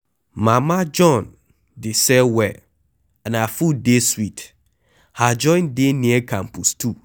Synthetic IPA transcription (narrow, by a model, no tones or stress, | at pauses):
mãmad͡ʒɔ̃n | dɪsɛwɛ | ãnafudeswit | had͡ʒɔ̃ɪ̃ndenĩɛkʰãmpustʰu